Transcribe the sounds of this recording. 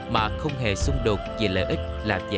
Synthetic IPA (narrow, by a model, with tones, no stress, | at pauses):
maː˨˩xə˧wŋ͡mɦe˨˩sʊ˧ŋ͡mɗo˨˩t̚ve˨˩ləː˨jʔi˦˥k̟̚laː˨˩və̰˧˨